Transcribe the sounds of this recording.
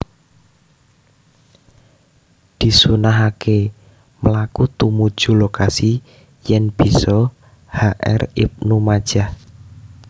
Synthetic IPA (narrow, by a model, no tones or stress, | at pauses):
d̪̥i̤sunaɦakʰe | məlakut̪umud̥ʒ̥ṳlokasi | jɛnb̥i̤sɔ | haʔɛ̰rḭp̚numad̥ʒ̥ah